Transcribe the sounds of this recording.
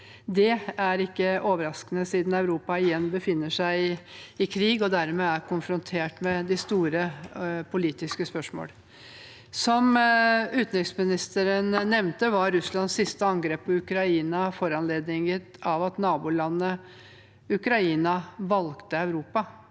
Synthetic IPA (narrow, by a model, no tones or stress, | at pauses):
d̪ɛæɾɪkːəʔoːʋəɾɑskənəsiːd̪nœʉɾuːpɑɪjɛnːbəfɪnːəʂæɪɪɪkʰɾiːɡɔd̪æɾmeːæɾkʰʊnfɾʊnt̪ʰeːʈmɛd̪ɪst̪uːɾəpʰʊliːt̪ɪskəspœʂmo̰ːl | sɔmʉːt̪n̩ɾɪksmɪnɪst̪əɾənnɛmnt̪əʋɑɾːʉslɑnssɪst̪əɑŋɡɾeːpʰːɔʉkɾɑiːnɑfɔɾɑnleːd̪nɪŋət̪ɑʋɑt̪nɑːbʊːlɑnːə | ʉkɾɑiːnɑʋɑlkt̪əœʉɾuːpɑ